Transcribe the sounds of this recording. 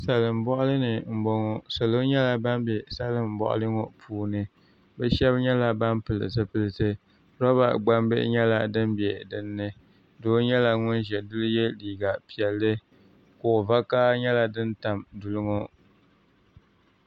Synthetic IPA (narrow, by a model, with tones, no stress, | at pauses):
sa˨lɨ˨m̩˨bɔ˦ʔʊ˦lɨ˦nɨ˨m̩˨bɔ˦ŋɔ˨so˨lo˦ɲɛ˦la˦ba˦mbɛ˨sa˦lɨ˦˨m̩˨bɔ̰˨ʔʊ̰˦lɨ˦ŋo˦pʰuː˦nɨ˦ | bɛ˦ʃɛ˦bɲɛ˦la˦ba˦mpɨ˨lɨ̰˨zɨ˦pɨ˦lɨ˨tɨ˦ | ɾɔ˦βa̰˨ɡ͡ba˦mbɨ̰˦ʔɲɛ˦la˨dɨ˦mbɛ˨dɨ˦nːɨ˦ | doː˦ɲɛ˦la˨ŋʊ˦nʒɛ˨dʊ˦lɨ˦jɛ˦liː˨ɡa˨pi˨ɛ˨lːɨ˦ | ko˨va˦ka˦ɲɛ˦la˦dɨ˦nta˨mdʊ˨lɨ˦ŋo˦